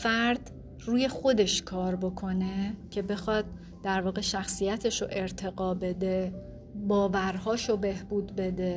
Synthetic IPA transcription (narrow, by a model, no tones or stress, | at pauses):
fæɾd̪̥ | ruːje̞xo̞d̪e̞ʃkʰɒːɾbo̞kʰo̞ne̞cʰe̞be̞xɒd̪̚ː | æɾvɒːɣe̞ʃæxsijæt̪ʰeʃoʔe̞ɾt̪ʰe̞ɣɒːbe̞d̪e | bɒːvæɾɦɒːʃobe̞hbuːd̪be̞d̪e̞